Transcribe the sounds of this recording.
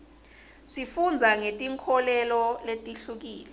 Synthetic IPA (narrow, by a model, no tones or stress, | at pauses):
sifund͡zʱaŋetʼiŋkʰɔlɛlɔletʼiɬuk̬iːlɛ